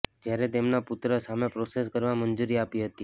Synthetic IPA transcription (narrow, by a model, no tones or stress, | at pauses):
d͡ʒjaɾɛt̪emnapʊt̪ɾəsamepɾoses̬kəɾʋamənd͡ʒuɾiapiɦət̪i